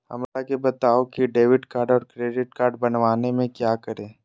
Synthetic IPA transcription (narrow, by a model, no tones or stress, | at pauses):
hɐ̰mɾakebɐt̪aːokiɖeːʋɪɖkaːɾɖɔːɾkɾeːɖɪʈ̚kaːɾɖ̚bɐnʋaːnemẽkjaːkəɾẽː